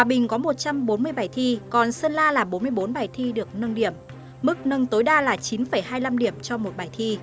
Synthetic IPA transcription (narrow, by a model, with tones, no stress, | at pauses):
hwaː˨˩ɓï˨˩ŋ̟kɔ˨˦mo˨˩t̚t͡ɕa˧mɓo˨˦nmɨ˧əjɓaː˧˩jt̪ʰi˧kɔ˨˩nsə˧nlaː˧laː˨˩ɓo˨˦nmɨ˧əjɓo˨˦nɓaː˨˩jt̪ʰi˧ɗɨ˨˩ək̚nə˧nɗi˧˩əmː | ɨ˦˥k̚nə˧ŋt̪o˨˦jɗaː˧laː˨˩t͡ɕi˨˦nfə˧˩jɦaː˧jla˧mɗi˧˩əmt͡ɕɔ˧mo˨˩t̚ɓaː˨˩jt̪ʰi˧